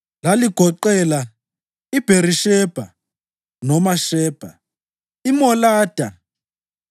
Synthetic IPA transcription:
laliɡ̥ʱɔǃɛla | ib̥ʱeɾiʃɛb̥ʱa̰ | nɔmaʃɛːb̥ʱa̰ | imɔlaːd̥ʱa

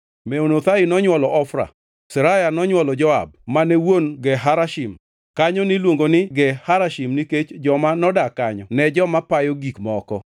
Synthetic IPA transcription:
mɛonot̪aɪnɔɲwɔlɔʔɔfɾa̰ | sɛɾajanɔɲwɔlɔd͡ʒɔa̰b̚manɛwonɡɛɦaɾaʃim | kaɲɔnɪlwoŋɡonɪɡɛhaɾaʃimniket͡ʃd͡ʒɔmanɔdakaɲɔnɛd͡ʒɔmapajɔɡikmɔkɔ̰

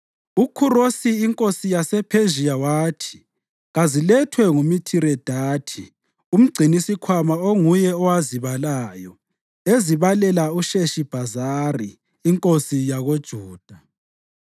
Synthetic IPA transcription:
ukʰurosiːŋkʼosijasɛpʰeʒijawaːtʰi̥ | ɣazilɛtʰwɛŋumitʰiɾɛd̥ʱaːtʰi | um̩ɡ͡ǀʱinisikʰwamaoŋujɛɔwaziβalaːjɔ | eziβalɛlauʃeʃib̥ʱazariː | ŋkʼosijaɣod̥ʒ̥ʱuːd̥ʱa

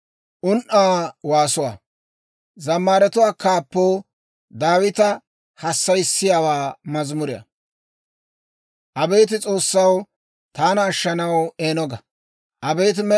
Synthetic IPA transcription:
ʔʊnʔaːwaːsʊwa̰ː | zɐmːaːɾɛt̪ʊwaːkaːpːoː | d̪aːwɪt̪ɐ | hɐsːɐjɪsːɪjaːwaːmɐzmʊɾɪjɐ̰ | ʔɐbe̞ːt̪̬ɪt͡sʼo̞ːsːɐw | t̪aːnɐːʃːɐnɐweːnɔɡɐ | ʔɐbejt̪̬ɪmɛ

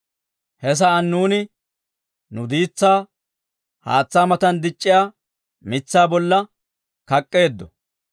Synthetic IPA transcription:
hɛs̬ɐɐnːuːnɪ | nʊd̪iːt͡sːaː | ha̰ːt͡sːaːmɐt̪ɐnd̪ɪt͡ʃʼːɪjaː | mɪt͡sːaːbɔlːɐ | kɐkʼːe̞ːd̪ːɔ

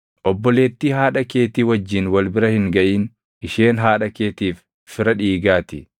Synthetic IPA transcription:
ʔɔbːɔle̞ːt̪ːiːɦaːᶑɐke̞ːt̪iːwɐd͡ʒːɪnwɐlbɪɾɐhɪŋɡɐʔiːn | ɪʃeːnɦaːᶑɐke̞ːt̪iːfː | ɪɾɐᶑiːɡaːt̪ɪ

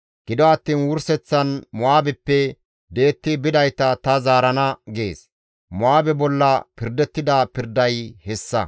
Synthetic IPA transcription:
ɡ̥ɪd̪ɔɐt̪ːiːnwʊɾsɛt͡sːɐnmʊaːbɛpːɛ | d̪e̞ːt̪ːɪbɪd̪ɐjt̪ɐt̪ɐzaːɾɐnɐɡe̞̰ːs | mʊaːbɛbɔlːɐpɪɾd̪ɛt̪ːɪd̪ɐpɪɾd̪ɐjhɛsːɐ

